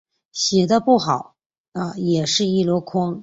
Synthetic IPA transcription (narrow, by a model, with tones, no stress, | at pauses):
ɕjɛ˨˩d̪ə˦pu˥˩xɑ˨˩˦ʊ | ə˥˧jɛ˨˩ʂɻ̩˥˧i˥˩lwɔ˧˥kʰʊ˥ŋ